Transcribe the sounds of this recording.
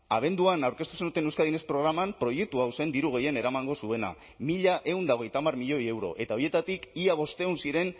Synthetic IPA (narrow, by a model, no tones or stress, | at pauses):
aβ̞e̞nd̪uanawɾke̞st̪u̥send̪ut̪e̞newskaðine̞spɾo̞ɣ̞ɾamampɾo̞je̞k̚t̪uawse̞nd̪iɾuɣe̞je̞ne̞ɾamaŋɡo̞sue̞na̰ | miʎaʔe̞und̪ao̞ɣ̞e̞jt̪amarmiʎo̞je̞wɾo̞̰ʔe̞t̪ao̞ɾje̞t̪at̪ikiaβ̞o̞st̪e̞unsiɾe̞n